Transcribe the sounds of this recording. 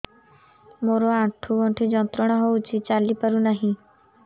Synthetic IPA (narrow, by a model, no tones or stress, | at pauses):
moɾɔaʈʰuɡɔɳʈʰid͡ʒɔnt̪ɾɔɽ̃ɔɦouwt͡ʃʰit͡ʃalipaɾunaɦĩ